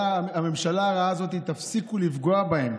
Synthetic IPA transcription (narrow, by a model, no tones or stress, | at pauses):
ame̞mʃalaːʁaazo̞t̪it̪afsikulifɡo̞abaem